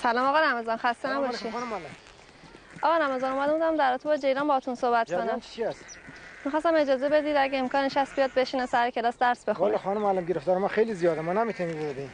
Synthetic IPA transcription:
sælɒːmɒːɣɒɾæme̞zɒːnxæst̪enæbɒʃinl | ʔɒːɣɒɾæmezɒːnomæd̪ebud̪æmd̪æɾɒːt̪ʰebɒd͡ʒe̞jɾɒːmbɒhɒt̪ʰunsohbæt̪̚ʰonæmt͡ʃʰiæsmixɒst̪æme̞d͡ʒɒːze̞be̞d̪iːd̪æɟeːmkʰɒːneʃæst̪̚bijɒːd̪̚beʃinesæɾecʰe̞lɒːsd̪æɾsbe̞xolɾxːnumælæmɡeɾeft̪ɒːɾemænxejlizijɒːd̪emɒnemit̪ʰunĩbeed̪ein

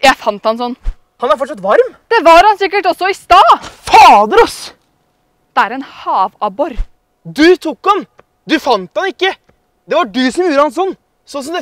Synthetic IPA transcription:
jæɪfɑnt̪hɑnsɔnː | hɑnɑɾfɔʈʂɑt̪ʋɑɾmd̪̥ɛʋɑɾhɑnsɪkːəʈɔsːɔɪst̪ɑːfɑːd̪ɾɔs | d̪̥ɛæɾɛnhɑːʋɑbɔɾ | d̪ʉt̪ʰʊkːɑn | d̪ʉfɑnt̪hɑnɪkːə | d̪ɛʋɑɖʉsɔmjuːɾəhɑns̬ɔnː | sɔnsɔmd̪ɛ

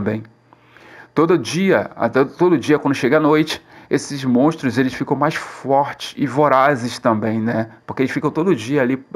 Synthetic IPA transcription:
mbẽj̃ | t̪od̪ɐʊd͡ʒiɐa̰t̪t̪od̪ʊd͡ʒiɐkwɐ̃nd̪ʊʃeɡɐanojt͡ʃɪ̥esɪzmõʃt̪ɾʊzelɪsfikɐ̃w̃majsfɔɾt͡ʃɪ̥sɪvoɾazest̪ɐ̃mbẽj̃nɛpʊkeelɪsfikɐ̃w̃t̪od̪ʊʊd͡ʒiɐali

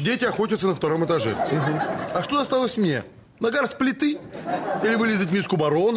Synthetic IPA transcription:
dʲetʲɪɐxo̞tʲət̪sənəft̪ɐɾo̞mɨt̪ɐʐɛ̰m̩ɦm̩ɐʂt̪oɐst̪alˠəsʲmnʲḛ | nɐɡaɾsʲplʲɪt̪ɨ | ilʲɪvɨlʲɪzətʲmʲiskʊbɐɾon

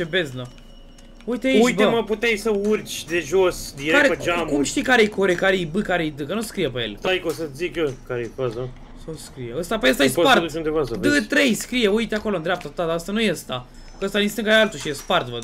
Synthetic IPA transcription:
t͡ʃebezno | ujt̪eeujtbeməput̪ejsəurt͡ʃʲd̪e̞ʒosd̪iɾekaɾeəd͡ʒamkumʃt̪ikaɾejkoɾekaɾejbɨkaɾejd̪ɨkənuskɾijepejḛlt̪ajkosəzikəkaɾeepaza | sawskɾijeəst̪apeəst̪ajesopaɾtd̪ut͡ʃund̪evasəd̪ɨt̪ɾejskɾijeujt̪eako̞loɨnd̪ɾʲeap̚t̪at̪ad̪aəst̪anujeəst̪a | əst̪anist̪ɨŋkaɾealt̪uʃijespart̪və

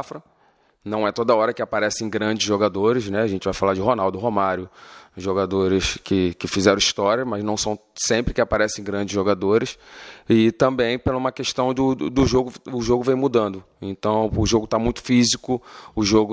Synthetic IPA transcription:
fɾɐ | nɐ̃w̃ɛt̪od̪ɐɔɾɐkɪapaɾɛsẽj̃ɡɾɐ̃d͡ʒɪzʒoɡad̪oɾɪʃnɛaʒẽnt͡ʃɪvajfalad͡ʒɪɦonawd̪ʊɦomaɾjʊʒoɡad̪oɾɪskɪkɪfizɛɾɐ̃iʃt̪ɔɾjɐmɐznɐ̃w̃sɐ̃w̃sẽmpɾɪkɪapaɾɛsẽj̃ɡɾɐ̃d͡ʒɪzʒoɡad̪oɾɪsɪt̪ɐ̃mbẽj̃pelɐũmɐkeʃt̪ɐ̃w̃d̪ʊd̪ʊʒoɡʊʊʒoɡʊvẽj̃mud̪ɐ̃nd̪ʊ | ẽt̪ɐ̃w̃ʊʒoɡʊt̪amũj̃t̪ʊ̥fizikʊʊʒoɡʊ

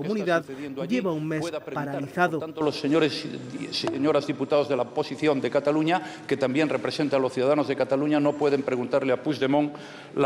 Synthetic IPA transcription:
komuniðaððjend̪ʎeβauŋmesðpaɾaliθaðoant̪oloseoɾesseɲoɾazðiput̪aðoðelaopo̞siθjo̞nd̪e̞kat̪aluɲake̞t̪ambje̞nrepɾe̞se̞nt̪alo̞sθjuðaðano̞zðekat̪aluɲano̞pwe̞ðempɾeɣunt̪aɾleapuzðe̞mõ̞ŋ | l

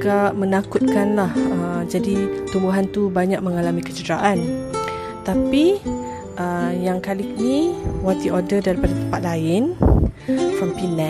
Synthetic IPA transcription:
ɡaʔmə̃nakʊt̪̚kanlahəd͡ʒadit̪umbuɦant̪ubaɲak̚məŋalamikət͡ʃədɾaʔan | t̪api | ʔəjaŋkalinĩwat̪iʔodədaɾipadat̪əmpat̪̚laɪn | sampinɛ

